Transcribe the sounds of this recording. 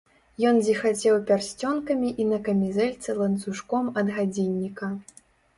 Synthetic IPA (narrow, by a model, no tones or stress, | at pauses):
jɔnd͡zʲixat͡sʲɛwpʲarsʲt͡sʲɔnkɐmʲiʔinɐkɐmʲizɛlʲt̪sɐlˠɐnt̪suʂkɔmɐd̪ɣad͡zʲinʲːikɐ